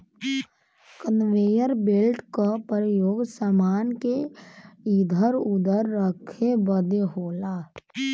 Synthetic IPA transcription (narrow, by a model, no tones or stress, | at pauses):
kənʋejəɾbelʈkapɾəjoːɡsəmaːnke | id̪ʱəɾʊd̪əɾːəkʰebəd̪eɦoːlaː